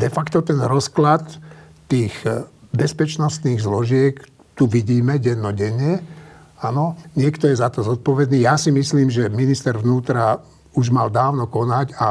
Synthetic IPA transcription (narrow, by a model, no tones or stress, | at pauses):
d̪ɛfakt̪ɔt̪ɛnɾɔsklat̪ː | iːɣbɛspɛt͡ʃnɔst̪niːɣzlɔʒɪɛk | t̪uʋiɟiːmɛɟɛnːɔɟɛɲɛ | anɔɲɪɛkt̪ɔjɛzat̪ɔzɔt̪̚pɔʋɛd̪niːjasimisliːmʒɛminist̪ɛɾʋnuːt̪ɾa | uʒmald̪aːʊnɔkɔnaca